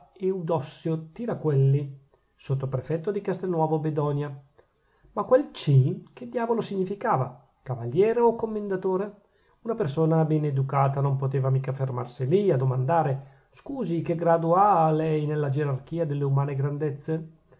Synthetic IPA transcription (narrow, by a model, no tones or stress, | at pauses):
eud̪ɔsːjot̪iːɾakwelːi | sot̪ːopɾefɛt̪ːod̪ikast̪enːwɔːvobed̪ɔnja | makwelt͡ʃiked̪jaːvolosiɲːifikaːva̰ | kavaljɛːɾeokːomːend̪at̪oːɾe | unapersoːnabɛned̪ukaːt̪anompot̪eːvamiːkaferma̰rsiliad̪omand̪aːɾe | skuːzikeɡɾad̪ualɛjnelːad͡ʒeɾark̟iːad̪elːeumaːneɡɾand̪et̪sːe